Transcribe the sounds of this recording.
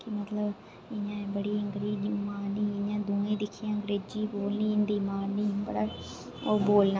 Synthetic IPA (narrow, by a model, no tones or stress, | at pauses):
kɪmət̪ləb | ɪɲãːbəɽiːəŋɡɾiːd͡ʒmaːniːɪãːd̪uːẽːd̪ɪkʰːijãːəŋɡɾeːd͡ʒiːboːlnĩːɪnd̪iːmaːnːiːbəɽaː | oːboːlnaː